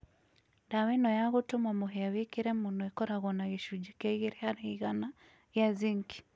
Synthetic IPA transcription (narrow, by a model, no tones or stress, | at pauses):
dawɛnɔjaɣutumwamɔɦɛawikiɾɛmunɔɛkɔɾaɣɔnaɣiʃud͡ʒikaiɣiɾɛaɾaiɣana | jaziŋki̥